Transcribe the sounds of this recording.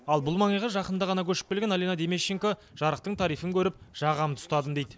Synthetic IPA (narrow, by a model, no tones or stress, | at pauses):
ɑlˠbʊlˠmɑɴəjʁəʒɑqənd̪ɑʁɑnɑkʲʰɵʃɪ̥k̚pelɡʲenalenɑd̪eme̞ʃːeŋkoʒ̥ɑɾəqt̪əɴt̪ʰɑɾijfəŋkʲʰɵɾɪp̚ʒ̥ɑʁɑmt̪ʰʊ̥st̪ɑd̪əmd̪ejd̪ɪ